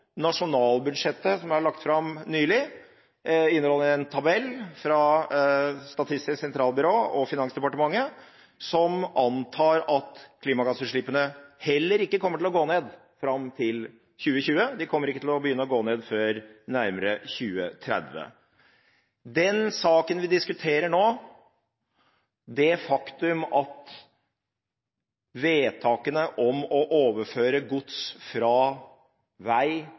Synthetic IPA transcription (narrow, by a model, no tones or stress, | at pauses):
nɑʂʊnɑːlbʉd̪ʂɛt̪ːəsɔmæɭɑk̚t̪fɾɑmnyːlɪ | ɪnːəɾhɔlːəɛnt̪ʰɑbɛlːfɾɑ | st̪ɑt̪ʰɪst̪ɪsɛnt̪ʰɾɑːlˠbʏɾoːɔfɪnɑŋsd̪ɛpɑʈəmɑŋːə | sɔmʔɑnt̪ʰɑːɾɑt̪kʰliːmɑɡɑsəʂɭɪpːənəhɛlːəɾɪkːəkʰɔmːəʈɪlɔɡoːneːd̪ | fɾɑmt̪ʰɪl | çʉːəçʉːəd̪ɪkʰɔmːəɾɪkːət̪ɪlɔbəjʏnːəɔɡoːneːd̪føːɾnæɾməɾəçʉːə̰t̪ʰɾɛ̰d̪ʋə̰ | d̪ɛnsɑːkənʋɪd̪ɪskʉt̪ʰeːɾəɳoː | d̪ɛfɑkt̪ʉmɑt̪ | ʋeːt̪ʰɑːkənəʔɔmɔʔoːʋəføːɾəɡʊt̪sfɾɑ | ʋæɪ